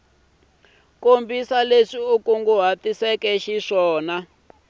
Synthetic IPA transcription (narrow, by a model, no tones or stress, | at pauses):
kombisaleʂiukuŋɡuɦatisɛkɛʃiʂɔːna